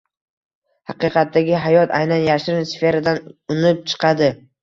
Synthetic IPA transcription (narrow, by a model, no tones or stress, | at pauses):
hɑqɨqʰɑt̪ːaɡʲɪɦajɒt̪ʰa̰jnanjaʃɾɪnsfe̞ɾad̪anʊnɪp̚t͡ʃʰɨ̥qʰɑd̪ɪ